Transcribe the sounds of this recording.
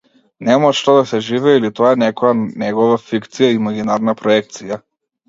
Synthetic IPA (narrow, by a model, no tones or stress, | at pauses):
nɛmaʃt̪ɔd̪asɛʒivɛilit̪ɔaɛnɛkɔjanɛɡɔvafikt̪sijaiːmaɡinaɾnapɾɔɛk̚t̪sija